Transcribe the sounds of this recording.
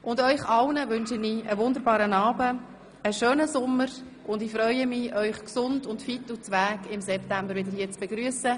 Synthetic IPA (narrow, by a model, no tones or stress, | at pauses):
ʔʊndœʏχɑlnəʋʏnʃəniəʋʊnd̪əɾbɑːɾənɑːbə | əʃøːnəsʊmːəɾ | ʔʊndɪfɾœʏəmiʔœʏχksʊndʊntfɪtut͡sʋæːɡɪmsɛptæmbəɾʋɪdəɾhiːət͡sb̥eɡɾyəsə